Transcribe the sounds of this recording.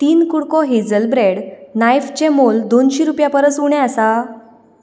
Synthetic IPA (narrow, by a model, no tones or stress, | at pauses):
t̪iːnkuɽkɔɦed͡zəlbɾeɽnajft͡ɕemold̪onɕiɾupjapəɾəsuɳɛ̃asa